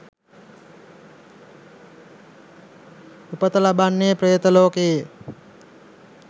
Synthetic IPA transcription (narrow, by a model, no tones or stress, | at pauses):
upət̪əlabanːepɾəjət̪əloːkeː